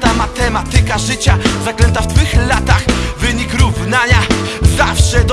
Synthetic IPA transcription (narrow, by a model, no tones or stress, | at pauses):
t̪amat̪ɛmat̪ɘkaʐɘt͡ɕazaklɛnt̪aft̪fɘxlat̪axvɘɲikɾuvnaɲazafʂɛd̪